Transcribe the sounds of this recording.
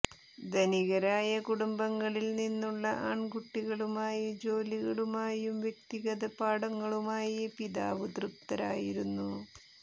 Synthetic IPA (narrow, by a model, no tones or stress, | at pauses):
d̪ɐniɣɐɾaːjɐkuɽumbɐŋːɐɭilninːuɭːɐʔaːɳɡuʈːiɣɐɭumaːjɐd͡ʑo̞ːliɣɐɭumaːjumʋjek̚t̪iɣɐðɐpaːɽɐŋːɐɭumaːjɐpiðaːʋɨd̪rɨpt̪ɐɾa̰ːjiɾunːu